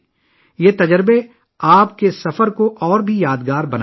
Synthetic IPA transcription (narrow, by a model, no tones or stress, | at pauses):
jeːt̪ɐd͡ʒəɾbe | aːpkesɐfəɾkoʔɔːɾbʱijaːd̪ɡaːɾbɐn